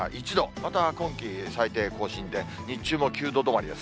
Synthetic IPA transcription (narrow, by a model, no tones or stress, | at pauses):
ʔit͡ɕid̪o̞mat̪akõ̞ŋkʲisait̪e̞ːko̞ːɕĩnd̪e̞ | ɲ̟it͡ɕɨːmo̞kʲɨːd̪o̞d̪o̞moaɾʲima̰s